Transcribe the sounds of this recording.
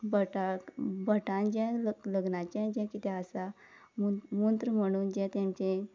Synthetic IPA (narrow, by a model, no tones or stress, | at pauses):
bəʈabəʈãnd͡ʑẽlələɡnat͡ɕẽd͡ʑɛ̃kit̪ɛ̃əsa | mmunt̪ɾəm̤əɽ̃uːnd͡ʑẽt̪ẽmt͡ɕẽ